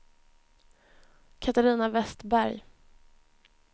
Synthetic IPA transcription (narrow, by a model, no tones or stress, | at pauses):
kʰat̪aɾiːnavɛst̪bæɾj